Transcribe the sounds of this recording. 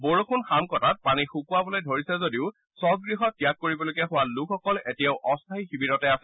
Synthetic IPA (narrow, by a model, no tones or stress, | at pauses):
boɹokʰunxamkɔtat̚panixukʊwabɔlojdʱoɹisɛzodiʊ | sɔɡɹiɦɔt̚kijakːoɹibɔlojkɛxʊwalukʰɔkɔletijaʊʔɔstʰaɦixibiɾɔtɛasɛ̥